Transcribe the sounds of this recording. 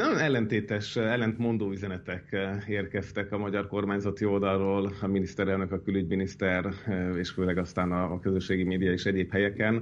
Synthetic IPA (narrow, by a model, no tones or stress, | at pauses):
nɛnɛlːɛnt̪eːt̪ɛʃɛlːɛnt̪mo̞nd̪oːyzɛnɛt̪ɛkeːrkɛst̪ɛkɒmɒɟɒrko̞rmaːɲzɒt̪io̞ld̪ɒlroːlɒminist̪ɛɾɛlnø̞kɒkylyɟminist̪ɛreːʃføːlɛɡɒst̪aːnɒːkø̞zøʃːeːɡimeːd̪ijɒeʃɛɟeːphɛjɛkɛn